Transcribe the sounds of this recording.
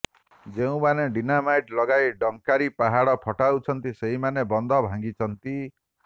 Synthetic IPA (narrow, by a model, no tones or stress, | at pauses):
d͡ʒeũmaneɖinamajʈlɔɡajɖɔŋkaɾipaɦaɽɔpʰɔʈawt͡ʃʰɔnt̪iseɦimanebɔnd̪ʱɔbʱãŋɡit͡ʃʰɔnt̪i